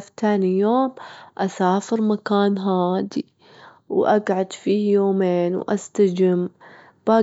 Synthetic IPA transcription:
ft̪aːnijoːmʔasaːfɪɾmakaːnɦaːd̪i | wʔaɡʕad̪fiːjoːmeːnwʔa̰st̪ad͡ʒɪm | b̥aː

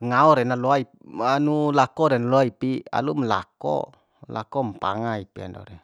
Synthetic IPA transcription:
ŋaɔɾɛnaloai | anulakɔɾɛnalɔaipia̰lumla̰kɔ̰ | la̰kɔmpa̰ŋaipia̰ndɔ̰ɾe

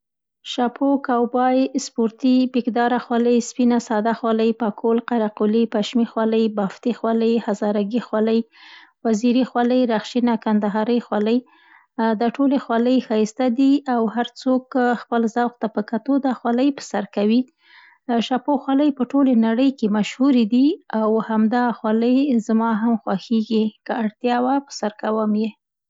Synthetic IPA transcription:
ʃɑpʰokawbɑjspoɾt̪ibekd̪ɑɾaxwɑləjspinasɑd̪axwɑləjpɑkʰolqaɾaqulipaʃmixwɑləjbɑft̪ixwɑləjhazɑɾaɡixwɑləj | waziɾixwɑləjɾaxʃinakand̪aɦɑɾəjxwɑləj | d̪aʈolexwɑləjxɑjst̪ad̪iawhaɾt͡sokxpəlzawxt̪apəkat̪od̪ɑxwɑləjpə̥saɾkawi | ʃɑpoxwɑləjpəʈolenaɽəjkemaʃhuɾid̪iawhamd̪ɑxwɑləjzmɑɦamxwaxiɡikəaɽt̪jɑwapə̥saɾkawəmje

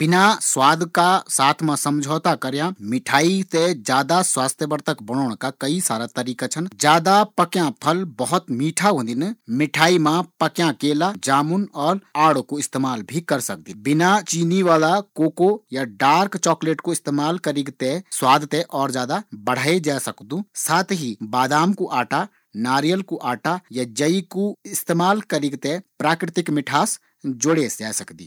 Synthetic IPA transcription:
b̥ɪnaswaːd̪kasaːt̪ʰmãsəmd͡ʒʱɔːt̪akəɾjãmɪʈʰaːit̪ed͡ʒjaːd̪aswaːst̪ʰjəʋəɾt̪ʰəkbəñɔːɽ̃kakəisaːɾat̪əɾiːkat͡ʃʰənd͡ʒjaːd̪apəkjãpʰəlbəɦʊt̪miːʈʰaɦõːnd̪inmɪʈʰaːimãpəkjãkeːlad͡ʒaːmʊnɔːɾaːɽokoɪst̪eːmaːlbʱikɐɾsək̚d̪ibɪnat͡ʃiːniʋaːlakoːkojaɖaːɾkt͡ʃɔːkleːʈkoɪst̪eːmaːlkəɾɪɡt̪eswaːd̪ʱt̪ẽʔɔːɾd͡ʒjaːd̪abəɽ̤aːed͡ʒaːsəkd̪ũsaːt̪ʰɦibaːd̪aːmkoʔaːʈa | naːɾijəlkoʔaːʈajad͡ʒəikoɪst̪eːmaːlkəɾɪɡt̪epɾaːkɾɪt̪ɪkmɪʈʰaːs | d͡ʒoɽesd͡ʒaːsɐkd̪ḭː

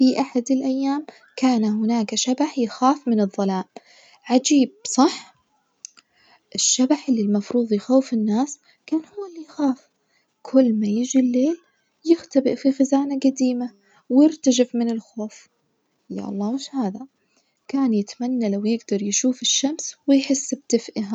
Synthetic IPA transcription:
fiʔaħad̪ɪlʔajːaːm | kaːnaɦʊnaːkaʃabaħjɪxaːfmɪnɨðˤːɑlaːm | ʕad͡ʒiːb̥̚sˤɑħ | ʔɪʃːabaħʔɪlːilmɑfɾuːðˤjɪxaːfɪnːaːs | kaːnhʊwːalːijxaːf | kʰʊlːmajɪd͡ʒilːeːl | jɪxt̪abɪʔfixazaːnaɡad̪iːma | wjɪɾt̪ad͡ʒɪfmɪnɪlxoːf | ja̰ʔɑ̰lˤːɑːwɪʃhaːða | kaːnjɪt̪manːalawjɪɡd̪ɑɾˤjʃuːfɪʃːamswɪjħɪsːb̚t̪ɪfʔɪɦa

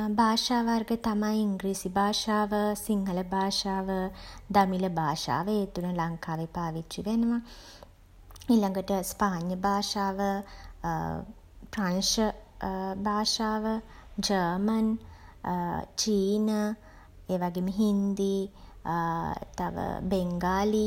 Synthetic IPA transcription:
bʱaːʂaːʋarɡət̪amajiŋɡɾiːsibʱaːʂaːʋəsiŋɦələbʱaːʂaːʋəd̪amiləbʱaːʂa̰ːʋeet̪unəlaŋkaːʋepaːʋit͡ʃʃiʋenəʋa | iːlaŋɡəʈəspaːɲjəbʱaːʂaːʋə | pranʃə | bʱaːʂaːʋəd͡ʒəːmən | t͡ʃiːnə | eːʋaɡemiɦind̪i | t̪a̰ʋə̰beŋɡaːli

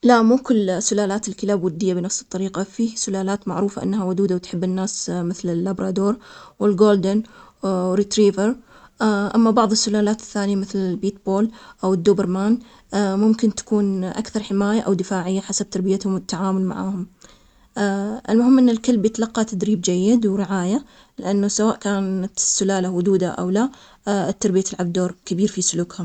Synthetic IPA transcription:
laʔmuːkʊlːsːʊlaːlaːt̪ɪlkɪlaːbwʊd̪ːɪjːabɪnɑfsɨ̥t̪ˤːɑɾiːqafiːsʊlaːlaːt̪maʕɾuːfaʔɪ̰nːawʊd̪uːd̪awɪt̪ħɪbːɪnːaːsmɪθlɪlːabɾɑːd̪oːɾˤwɪlɡoːld̪ɪn | ɾit̪ɾiːvəɾ | ʔamːabɑʕðˤɪsːʊlaːlaːt̪ɪ̥θːaːnɪjamɪθlɪlbiːt̪̚boːlʔawɪd̪ːuːbɪɾmaːn | mʊmkɪnt̪ḁkuːnʔa̰kθɑɾˤħɪmaːjaʔawd̪ɪfaːʕɪjːaħasab̚t̪ɑɾˤbɪjat̪hʊmɪt̪ːaʕaːmʊlma̰ʕaːhʊm | ʔɪlmʊɦɪmːʔɪnːɪlkɪlbjɪt̪alɑqːɑt̪ad̪ɾiːb̚d͡ʒajːɪd̪wɾɪʕaːja | lɪʔanːʊsawaːʔkaːnat̪ɪsːʊlaːlawʊd̪uːd̪aʔa̰wla | t̪ːɑɾˤbɪjat̪ɪlʕabd̪oːɾˤkabiːɾfisʊluːkhʊm

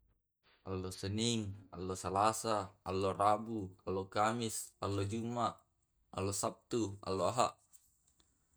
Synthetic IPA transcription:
ʔalːosəniŋalːosalasaːlːorabualːokamisalːod͡ʒumaʔ | alːosap̚t̪ua̰lːoaɦa̰ʔ

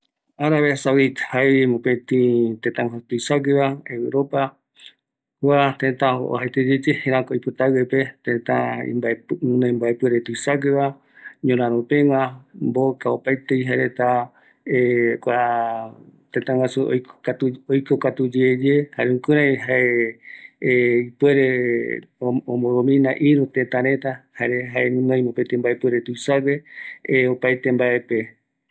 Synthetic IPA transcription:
aɾaβesawit̪hamõpẽt̪ĩt̪ẽt̪ãwasut̪ujsaɡeβaewɨɾopa | wat̪ẽt̪ão̰ɦajt̪ed͡ʒed͡ʒehẽɾ̃ãkoojpɨt̪awepet̪ẽt̪aḭmbaepũnõĩmbaepɨɾet̪uisaɡeβa | ɲõɾãɾõpẽŋʷãmbokaopajt̪eiɦaɾet̪a | ekʷa | t̪et̪ãŋʷwasuo̰at̪uojkokat̪ud͡ʒeːd͡ʒehaɾeũkɨɾãɦae | ipweɾe | õmboɾomĩnãʔiɾut̪et̪ãɾe̞t̪ahaɾeɦaenũnãj̃mopet̪embaepweɾet̪ujsaɡeopajt̪e̞mbae̞pe

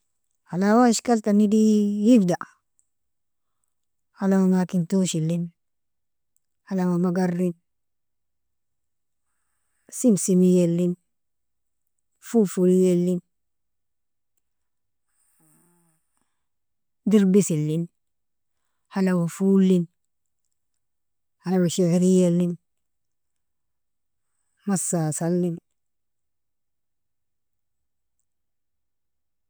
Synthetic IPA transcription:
halawaʃkaltanidijifdaʔ | halawamakintoʃilːin | halawamaɡarːin | simsimijelːin | fufulijelːin | diɾbisilin | hanawafulin | hanawaʃeɾijɛlːin | masasalːin

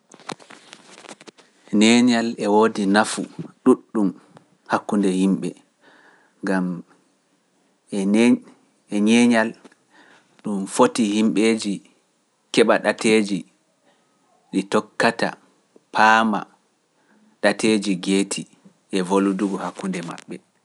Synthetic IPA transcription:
nɛɲalɛwodinafṵɗuɗːum | hakːundɛhimɓɛ̰ | ŋɡam | ɛ | ɛɲɛɲal | ɗumfotihimɓed͡ʒi | kɛɓaɗateːd͡ʒi | ɗitɔkːata̰ | pʰaːma̰ | ɗatʰeːd͡ʒiɡeːtʰi | ʔɛvoluduɡɔhakːundɛma̰ɓːɛ

